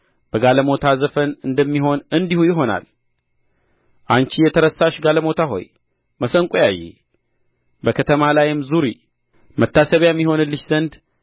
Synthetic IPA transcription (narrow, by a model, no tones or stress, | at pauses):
bəɡaləmo̞t̪ʰazəfənɨnd̪əmːiɦo̞nɨnd̪ihujɪɦo̞na̰l | ʔant͡ʃijɛt̪ʰəɾəsaʃɡaləmo̞t̪ʰaɦo̞̰j | məsəŋkʼojajḭ | bəkʰət̪ʰəmalajɪmzuɾi | mət̪ːasəβjɛmːiɦo̞nɨlːɨʃzənd̪